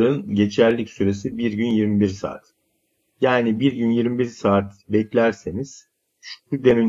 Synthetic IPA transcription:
ɾɯnɟe̞t͡ʃʰæɾlʲːicsyɾe̞sibiɾɟynjiɾmibiɾsa̰ːt̪ | jaːnibiɾɟynjiɾmibiɾsaːt̪bɛclʲæɾse̞niz̥ | ʃud̪eny

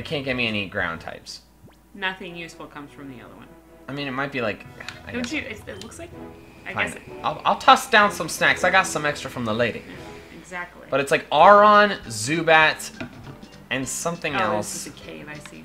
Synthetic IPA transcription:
ɨt̚kʰæ̃nɡ̥ɛt̚miɛniɡɹã̰ʊ̃ntʰa̰ɪps | nʌθɪ̃ŋjʉsfl̩ˠkʰʌ̃mz̥fɹʌ̃mðiʌ̰ðə˞wʌ̰̃n | aɪmĩnɨt̚maɪt̚b̥ilaɪka̰ɪɨɪɨtˡlʊkslaɪk̚aɪãɪ̃naɪlˠʔa̰ɪlˠtʰʌsd̥ãʊ̃nsʌ̃msnæksaɪɡɑtsʌ̃mɛkstɹ̥əfɹʌ̃mðəleɪɾḭɨɡzæk̚tʰˡlḭb̥ʌɾɨtslaɪkɑɹə̃nzʉbæt | ɨ̃nsʌ̃mθɪ̃ŋɛlˠsɨkʰeɪvaɪsḭ

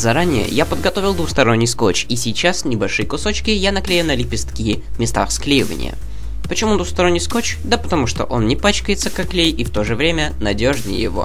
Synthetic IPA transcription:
zɐɾanʲɪjə̰japəd̪ɡɐt̪o̞vʲɪlˠd̪vuxst̪ɐɾo̞nʲːɪjsko̞t͡ɕisʲɪt͡ɕasnʲɪbɐlʲʂɨjəkʊso̞t͡ɕkʲɪjanɐklʲejʊnəlʲɪpʲɪst̪kʲijɪmʲɪst̪a̰xsklʲejɪvə̰nʲɪ̰jə̰ | pət͡ɕɪmud̪vuxst̪ɐɾonʲːɪjsko̞t͡ɕd̪əpət̪ɐmuʂt̪o̰ʔo̞nnʲɪpat͡ɕkəjɪt̪səkɐklʲejift̪o̞ʐɨvɾʲemʲənɐdʲoʐnʲɪ̰j̰jɪ̰vo̞̰

